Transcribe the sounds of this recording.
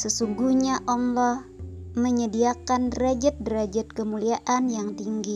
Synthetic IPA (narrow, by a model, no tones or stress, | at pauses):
səsuŋɡuhɲaʔɔŋlɔh | məɲədiakandɾad͡ʒɛt̪̚dɾad͡ʒɛt̪̚kəmuliaʔanjaŋt̪iŋɡi